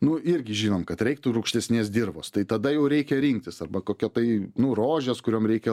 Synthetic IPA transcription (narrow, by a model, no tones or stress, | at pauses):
nʊɪɾʲɡʲɪʒʲiːnoːmkɐt̪ɾʲɛɪk̚t̪uɾʊkʃʲt̪ʲɛsʲnʲeːsd̪ʲirboːst̪ɐɪt̪ɐd̪ɐjɛʊɾʲɛɪkʲɛɾʲiŋk̚t̪ʲɪsɐrbɐkoːkʲɛt̪ɐɪnʊroːʒʲɛskʊɾʲoːmɾʲɛɪkʲɛ